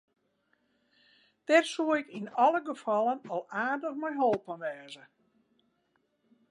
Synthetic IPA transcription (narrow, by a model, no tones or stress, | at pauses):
d̥ɛrsuəɪkinɔləɡəfɔlˠənɔlˠaːrdəxmɛjɦolˠpənʋɛːzə